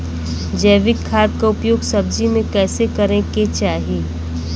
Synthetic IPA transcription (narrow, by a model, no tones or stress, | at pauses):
d͡ʒɛːʋɪkʰːaːd̪̚kaʊpjoːɡsɐb̚d͡ʒimẽkɛːsekɐɾẽket͡ʃaːɦieː